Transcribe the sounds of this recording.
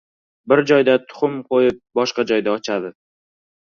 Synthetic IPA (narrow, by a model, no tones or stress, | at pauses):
bɪɾd͡ʒɒjd̪at̪ʰʊ̥χʊmqojɪp̚bɒʃqɑd͡ʒɒjd̪aɒt͡ʃʰad̪ɪ